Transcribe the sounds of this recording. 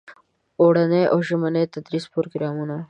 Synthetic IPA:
oːɽɐneʔoːʒɐmɐnet̪ɐd̪ɾispoɾoɡɾaːmuna

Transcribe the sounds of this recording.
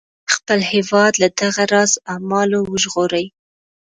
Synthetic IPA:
xpəlhewɑd̪lad̪aɣaɾɑzamɑlowəʒɣoɾaj

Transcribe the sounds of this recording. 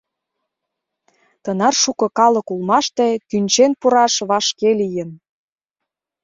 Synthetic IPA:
t̪ɤnɑrʃukɤ̆kɑlɤ̆kulmɑʃt̪et̪ynt͡ɕenpuɾɑʃβɑʃkelijə̆n

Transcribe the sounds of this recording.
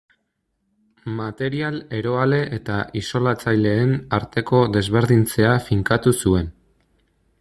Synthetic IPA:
mat̪e̞ɾiale̞ɾo̞ale̞ʔet̪aʔiso̞lat͡sajle̞ːnaɾt̪e̞ko̞d̪e̞zβe̞ɾðint͡se̞afiŋkat̪usue̞n

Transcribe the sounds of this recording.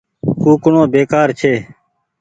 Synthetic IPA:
kuːkʊɳõːbeːkaːɾt͡ʃʰeː

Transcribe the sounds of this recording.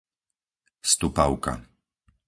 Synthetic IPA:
st̪upaʊka̰

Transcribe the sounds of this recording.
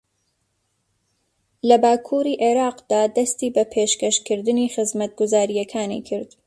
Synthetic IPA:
lɐbaːkʰuːɾiːʔeɾɑːqd̪̥aːd̪ɐst̪iːbɐpʰeːʃkɐʃkɨɾd̪ɨniːxɨzmɐt̪̚ɡʊzaːɾijɛkʰaːnḭkʰɨɾd̪̥

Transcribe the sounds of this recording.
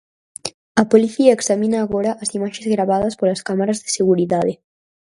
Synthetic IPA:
ɐpoliθiɐeksamĩnaːɣoɾɐʔɐsimaʃezɣɾaβaðɐspolɐskamaɾazðeseɣuɾiðaðe

